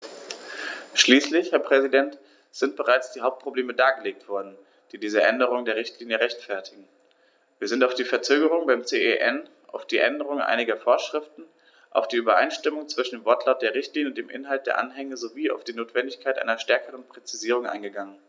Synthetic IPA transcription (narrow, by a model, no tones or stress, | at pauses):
ʃliːslɪçhɛɐpʁ̥ɛzidɛnt | z̥ɪnt̚b̥əʁaɪt͡sd̥iːhaʊp̚t̚pʁ̥obleːmədaːɡəleːk̚tv̥ɔɐdn̩ | d̥iːdiːzəʔɛndəʁ̞ʊŋdeːɐʁ̞ɪçtliːnjəʁɛçtfɛɐtʰɪɡŋ̩ | viːɐzɪntaʊfd̥iːfɛɐt͡søːɡəʁʊŋbaɪmt͡seːʔeʔɛn | ʔa̰ʊfd̥iːʔɛndəʁʊŋʔa̰ɪnɪɡɐfoːɐʃʁ̥ɪftn̩ | ʔa̰ʊfd̥iːʔyːbɐʔa̰ɪnʃtɪmʊŋt͡sv̥ɪʃn̩deːmvɔɐtʰlaʊt̚d̥eːɐʁɪçtliːnəʊntd̥eːmʔɪ̰nɦalt̚d̥eːɐʔanɦɛŋəzoviːa̰ʊfd̥iːnoːtv̥ɛndɪçkʰaɪtʔa̰ɪnɐʃtɛɐkəʁənpʁ̥ɛt͡siziːʁʊŋʔa̰ɪnɡəɡaŋən